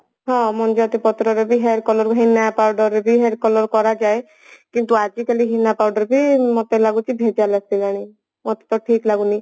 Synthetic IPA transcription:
ɦɔ̃mɔnd͡ʒɔt̪ipɔt̪ɾɔɾebʱiɦeɾkɔlɔɾɦinapawɖɔɾebʱiɦeɾkɔlɔɾkɔɾad͡ʒae | kint̪uad͡ʒikaliɦinːapawɖɔɾbʱimɔt̪elaɡut͡ʃibʱed͡ʒalasiɡaɽ̃i | mɔt̪e̥t̪ɔʈʰiklaɡuni

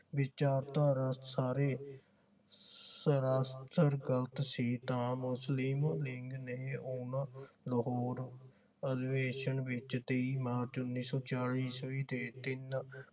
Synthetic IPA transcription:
ʋɪt͡ʃaːɾt̪ãːɾət̪saːɾeː | səɾaːst̪əɾɡələt̪siːt̪ãːmʊslɪmlɪŋɡneːʊɳləɦɔːɾ | əd̪ɪʋeːʃəɳʋɪt͡ʃt̪eiːmaːɾt͡ʃʊnːiːsɔːt͡ʃaːɭiːsoiːt̪eːt̪ɪn

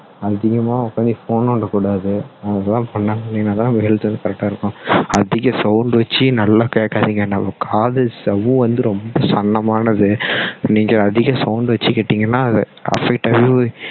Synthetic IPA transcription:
ɐðɪɣɐmaːɔkːaːnd̪ifoːnɔɳɖɐkuːɽaːðɯɐt̪ãːpɐɳːɐniɡɐnãːt̪ãːnmɐɛɭt̪ɯʋɐnd̪ɯkɐɾɛk̚ʈaːɪɾɯkːʊ̃ɐðɪɣɐsɐʊɳɖʋɐt͡ʃːɯnɐlːaːkeːkːaːðiːŋɡɐnːɐmɐkʰaːðɯsɐʋũʋɐnd̪ɯɾɔmbɐsɐnːɐmaːnɐðɯniːŋɡɐɐðɪɣɐsɐʊɳɖʋɐt͡ʃːɯkeːʈːɪŋɡɐnːãːɐðɛ | ɐ̰fɛk̚ʈɐʋipoːj

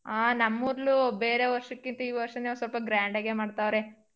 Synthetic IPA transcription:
aːnɐmːuːɾlube̞ːɾe̞ʋɐɾʂɐkːint̪ɐiːʋɐɾʂɐniːʋɐsɐlpɐɡɾaːɳɖeɡemaːɖt̪aːʋɾe

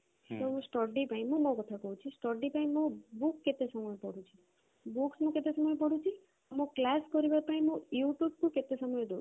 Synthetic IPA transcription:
t̪oũsʈɔɾɖipãj̃mũmɔ̃kɔt̪ʰakɔɦũt͡ʃʰisʈɔɾɖipãimːõbukːet̪esəmɔjpɔɽũt͡ʃʰi̥ | buksmõket̪esɔmɔjpɔɽũt͡ʃʰi | amõklaskɔɾibaɾpaĩmũjuʈjub̚kũket̪esəmɔjd̪o

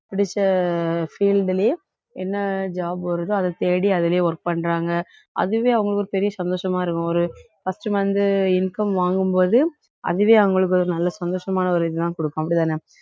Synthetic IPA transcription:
pɪɽɪt͡ʃːɐfiːlɖɪleː | ɛnːɐd͡ʒaːbʋɐɾɯðɯɐðɐt̪eːɽiɐðɪlejeɔɾk̚pɐɳːɾaːŋɡɐ | ɐ̰ðɯʋeːɐʋɐŋɡɐɭɯkːɔɾɯpɛɾɪjɐsɐnd̪oːʂɐmaːɪɾɯkːʊ̃ɔɾɯ | fɐsʈɐmɐnd̪ɯɪnkɐmʋaːŋɡɯmpoːðɯ | ɐ̰ðɯʋeːɐʋɐŋɡɐɭɯk̬ːɯɔɾɯnɐlːɐsɐnd̪oːʂɐmaːnɐɔɾɯɪðɯt̪ãːkɔɽɯkːʊ̃ɐpːɐɽɪt̪aːne

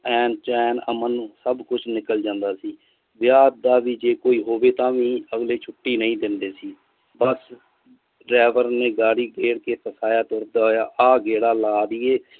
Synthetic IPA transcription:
ɛːnt͡ʃɛːnə̰mənsəbkʊt͡ʃʰnɪkəld͡ʒãːnd̪aːsiː | ʋɪjaːd̪d̪aːʋiːd͡ʒeːkoːiːɦoːʋeːt̪ãːʋĩːəɡleːt͡ʃʰʊʈːiːnəĩːd̪ɪnd̪eːsiː | bəs | ɾɛːʋəɾnẽːɡaːɽiːɡeːɽkeːpʰəsaːjaːt̪oːɾd̪aːɦojaːʔaːɡeːɽaːlaːd̪iːeː

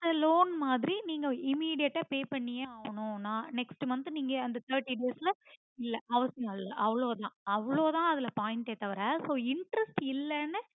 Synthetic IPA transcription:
d̪ɐloːnmaːðɪɾiniːŋɡɐɪmiːɽɪjɐʈːaːpeːpɐɳːɪjeːaːʋɐɳʊ̃nãːnɛksʈɯmɐnd̪niːŋɡɐɐnd̪ɐt̪ʰɐːɾʈːiɖeːslɐ | ɪlːɐʔɐʋɐsɐjlːɐʔɐʋɐɭoːt̪ãːɐʋɐɭoːt̪ãːɐðɪlɐpaːjɪnʈeːt̪ɐʋɐɾɐsoːɪɳʈɾɛsʈɪlːɐnːɯ

